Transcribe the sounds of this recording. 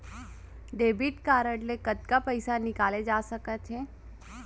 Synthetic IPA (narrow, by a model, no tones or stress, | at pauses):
ɖeːbiʈkaːɾəɽlekɐt̪̚kapəɪsanɪkaːled͡ʒaːsəkət̪ɦeː